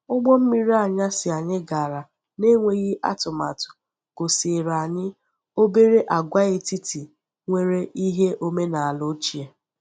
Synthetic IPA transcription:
ʊ˦ɡ͡bɔ˦m̩˦mi˦ɾi˦a˨ɲa˦sɪ˨a˨ɲɪ˦ɡa˨ɾa˨ | ne˦ŋʷe˦ɣi˦ʔa̰˦tʊ˨ma̰˨tʊ̥˨ | ko˨se˨ɾa˨ɲɪ˦ | o˦be˦ɾe˦ʔa˨ɡʷa˦e˦ti˦ti˨ | ŋʷe˦ɾe˦ʔi˦ɦe˦ʔo˦me˦na˨a˨lo˦t͡ʃi˦e˨

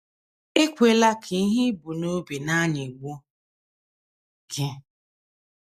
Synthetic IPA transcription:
e˦kʷe˨la˦kʰe˨˦ɦɪ˦bu˨no˦bi˨na˦ni˨ɡo˦ | ɡɪ˦

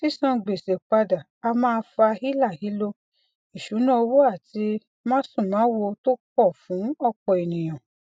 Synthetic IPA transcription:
si˦sã˧ɡ͡be˨se˨k͡pa˧da˨a˧mãː˦˧˦fa˧hi˦la˦˨hi˨˦lo˦ | i˨ʃu˨˦nã˦o˧wo˦a˦˨ti˧ | mãː˦sũ˦˨mãː˨˦wo˧to˦kɔ˦˨fũ˨˦ɔ˦˧k͡pɔ˨e˨nĩ˨j̃ã˨

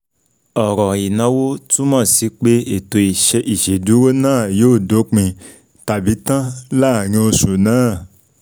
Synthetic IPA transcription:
ɔ˨ɾɔ˨i˨nã˨˦wo˦tũ˦mã˦˨si˨˦k͡pe˦e˨to˨˧i˨ʃɛ˧ʔi˨ʃe˨du˨˦ɾo˦nãː˦˨joː˦˨do˨˦k͡pĩ˧ | ta˨bi˨˦tã˦laː˦˨ɾ̃ĩ˧˦o˧su˨nãː˦˨

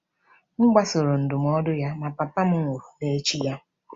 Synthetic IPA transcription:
ŋ̩˦ɡ͡ba˦so˨ɾo˨n̩˨dʊ˨m˨ɔ˦dʊ˦ja˦ma˨pa˨pa˦m̩˦ŋʷo˨ɾu˨ne˨˦t͡ʃi˦ja˦

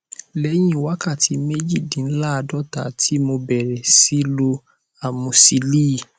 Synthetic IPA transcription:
lɛ˨˦j̃ĩ˦˨wa˨˦ka˦˨tʰi˨˧˦me˦d͡ʒi˦˨dĩ˨˦la˦a˧dɔ˦˨ta˨tʰi˨˦mo˧bɛ˨ɾɛ˨si˨˦lo˧ | a˨mũ˧si˧liː˦˨

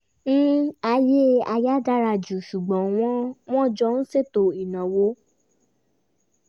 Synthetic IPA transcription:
ñ̩˦a˧je˦a˧ja˦da˦ɾa˧˨d͡ʒu˨ʃu˨ɡ͡bɔ̃˨˦w̃ɔ̃˦w̃ɔ̃˦˨d͡ʒɔ˧˦n̩˦se˦˨to˨i˨nã˨wo˦

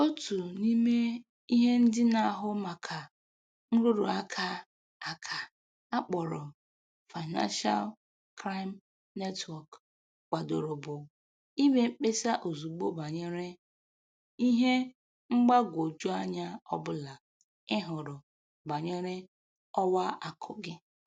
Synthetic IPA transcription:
o˦tu˨ni˦me˦ | i˦ɦe˦n̩˦dɪ˦na˨a˨ɦʊ˦ma˨kʰa˨ | ŋ̩˦ɾʊ˦ɾʊ̰˨a˦kʰa˦ | a˨kʰa˨ | a˦k͡pɔ˨ɾʊ˨ | fa˨ɪ˨na̰˦nʃa̰˦l | kɾa˦jm | ne˦twɔ˨k | k͡pa˨do̰˨ɾʊ˨bʊ˨ | i˦me˦m̩˦k͡pe˦sa˦ʔo˨zu˨ɡ͡bo˦ba˨ɲe˦ɾe˦ | i˦ɦe˦ | ŋ͡m̩˦ɡ͡ba˦ɡʷo˨d͡ʒu˦a˦ɲa˦ɔ˦bʊ˦la˨ | ɪ˦ɦʊ˨ɾʊ˨ | ba˨ɲe˦ɾe˦ | ɔ˦wa˦ʔa˨kʰʊ̰˨ɡɪ˦

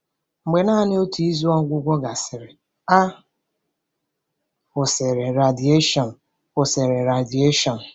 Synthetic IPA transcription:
ŋ͡m̩˨ɡ͡be˨naː˦nɪ˦o˦ti˨˦i˦zu˦ɔ˦ŋ˦ɡʷʊ˦ɡʷɔ˦ɡa˨sɪ˨ɾɪ˨ | a˦ | ʊ˨sɪ˨ɾe˨ɾa˨di˨e˦ʃɔ˨n̩˨ | ʊ˨se˨ɾe˨ɾa˨di˨e˦ʃɔ˨n̩˨

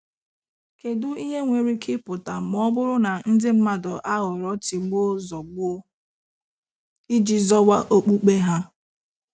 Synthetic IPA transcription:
ke˨dʊ˦i˦ɦe˦ŋʷe˨ɾi˦kʰɪ˦pʊ˨ta˨m˦ɔ˦bʊ˦ɾʊ˦na˨n̩˦dɪ˦m̩˦ma˦dɔ˨ʔa˦ɣʊ˨ɾɔ˦tɪ˨ɡ͡bo˦zɔ˨ɡ͡bʊ˦ | i˦d͡ʒi˦zɔ˦wa˦ʔo˦k͡pu˦k͡pe˦ɦa˦

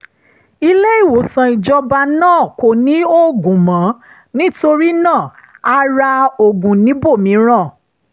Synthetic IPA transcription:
i˧le˦i˦˨wo˨sã˨˧i˨d͡ʒɔ˧ba˧nãː˦˨ko˨nĩ˨˦o˦ɡũ˨mã˨˦ | nĩ˦to˧ɾi˦nãː˦˨a˧ɾa˧o˨ɡũ˨nĩ˨˦bo˦˨mĩ˨˦ɾ̃ã˦˨

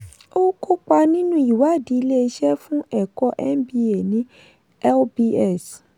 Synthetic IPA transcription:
o˦kʰo˦k͡pa˧nĩ˦nũ˦i˨wa˨˦˨di˨˦i˧le˦e˧ʃɛ˦fũ˦ɛ˦˨kɔ˧˦ʔɛ̰˦nbi˧˦e˨nĩ˦ | ɛ˦lbi˧ɛ˦˨s

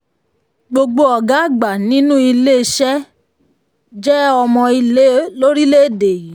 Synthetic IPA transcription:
ɡ͡bo˧ɡ͡bo˧ɔ˨ɡa˨˦˨ɡ͡ba˨nĩ˨˦nũ˦i˧le˦˧ʃɛ˦ | d͡ʒɛ˦ɔ˧mɔ̃˧i˧le˦lo˦ɾi˦le˦˨de˨ji˨˦

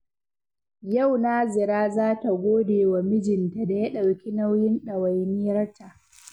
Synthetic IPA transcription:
ja˦˨wnaː˦zɪ˨ɾaː˦zaː˦ta˨ɡʷoː˦deː˨wa˨mɪ˦d͡ʒɪ˨nta˨da˨jɐ˦ɗa˨wkʲi˦na˦wjɪ˦nɗɐ˨wa˨jniː˦jɐ˦rta˨ʔ

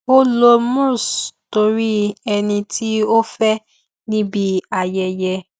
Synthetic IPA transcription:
o˦lo˧mũ˦˨sto˧˦ɾi˦ɛ˧nĩ˧ti˦o˦fɛ˦ | nĩ˦bi˦a˨jɛ˧jɛ˧

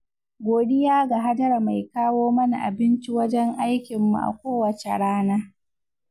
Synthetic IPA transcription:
ɡʷoː˨ɗɪ˦jaː˦ɡa˨ɦa˦dɐ˦ɾa˨ma˨jkaː˦woː˦mɐ˦na̰˨ʔa̰˨bɪ˦nt͡ʃi˦wɐ˦d͡ʒɛ˦ŋʔa˦jkʲɪ˨mːṵ˨ʔa̰˨kʷoː˦wɐ˨t͡ʃḛ˨ɽaː˦naː˦

